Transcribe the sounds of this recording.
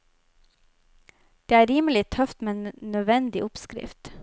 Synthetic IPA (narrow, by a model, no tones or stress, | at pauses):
d̪̥eːæːɾiːməlɪt̪ʰœft̪meːnnœʋɛnd̪ɪʔʊpskɾɪ̰ft̪